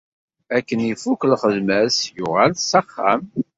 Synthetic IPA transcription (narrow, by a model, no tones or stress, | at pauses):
ækːənifukəlχəðmæsjʊʁælsɑχːaæ̰m